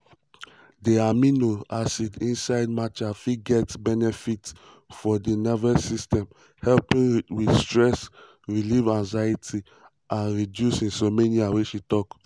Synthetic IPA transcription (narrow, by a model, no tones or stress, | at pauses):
deaminoasidĩnsaɪd̚mat͡ʃafiɡɛtbɛnɛfit | fɔdinɛvɛsistɛ̃m | hɛlpĩnwi̥stɹɛs | ɹilivãnzajitʰi | ãnɹidjusĩnsomeniaweʃitɔk